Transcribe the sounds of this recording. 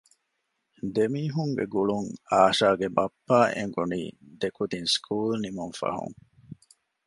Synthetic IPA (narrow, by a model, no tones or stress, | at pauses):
d̪emiːɦuŋɡḛɡuɭuŋaːʃaːɡebɐpːaːʔḛŋɡunḭːd̪ekud̪inskʰuːlnimuŋfɐ̰ɦṵŋ